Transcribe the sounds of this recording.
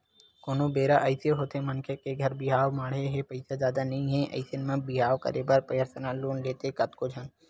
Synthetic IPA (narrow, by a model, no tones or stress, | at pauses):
koːnobeːɾaʔɐɪseɦoːt̪emɐnkʰekeɡʱɐɾbɪɦaːʋmaːɽeɦepɐɪsazjaːd̪anɐɦĩɦɛ̃ʔɐ̰ɪsenmẽbɪɦaːʋkɐ̰ɾebɐɾpɾɐjəɾt̪ənaloːnleːt̪ekɐt̪kod͡ʒʱən